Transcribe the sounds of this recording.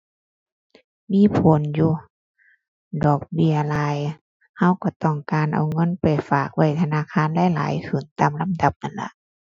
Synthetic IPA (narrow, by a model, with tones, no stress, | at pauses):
miː˧˥˨pʰo˨˦njuː˧ | dɔː˨˩k̚bi˧˩əlaː˨˧˦j | ha˧˥˨wkɔ˧˩t̪ɔː˧˩ŋkaː˨nʔa̰˨wŋɤ˧˥˨npa˨˩jfaː˨˩k̚wa˧˩jt̪ʰa˧naː˧˥˨kʰaː˧˥˨nlɛ˧˥˨la̰ː˨˦jkʰɯː˨˩nt̪aː˨mla˧˥mda˧˦p̚na˧˩˨nla̰˧˦ʔ